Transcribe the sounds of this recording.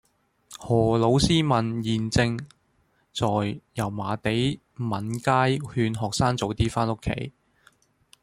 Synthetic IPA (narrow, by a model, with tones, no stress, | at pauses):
hɔː˨˩lo˨˥wsiː˥mɐ˨˩njiː˨nt͡sɪ˧ŋ | t͡sɔː˨jjɐ˨˩wmaː˨˧t̪e˨˥j | mɐ˨˩nkaː˥jhyː˧nɦɔː˨k̚saː˥ŋt͡so˨˧˥wt̪iː˥faː˥nʊ˥kʰːḛ˨˥j